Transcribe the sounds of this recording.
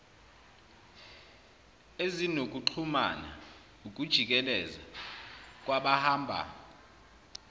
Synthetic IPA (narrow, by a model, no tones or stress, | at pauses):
ezinok̬ʼuǃʰumana̰ | uk̬ʼud̥ʒ̥ʱik̬ʼɛlɛza | k̬ʼwaɓahaːmbʱa̰